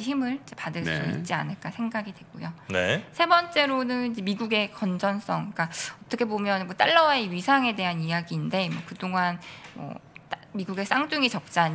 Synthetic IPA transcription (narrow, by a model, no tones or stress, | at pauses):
çimɯɭid͡ʑepadɯɭs͈uḭt̚t͡ɕ͈ia̰nɯɭk͈asʰe̞ŋɡaɡidwe̞ɡ͈ojonḛsʰe̞bʌnt͡ɕ͈e̞ɾonɯnid͡ʑemiɡuɡe̞kʌnd͡ʑʌns͈ʌŋk͈aʌt͈ʰʌkʰe̞bomjʌnmʌt͈a̰ɭːʌwaeɥisʰaŋe̞de̞ɦanijaɡiːnde̞mwʌkɯdoŋanmʌ̰tmiɡuɡe̞s͈aŋd͡ʑuŋit͡ɕʌk̚t͡ɕ͈aɲ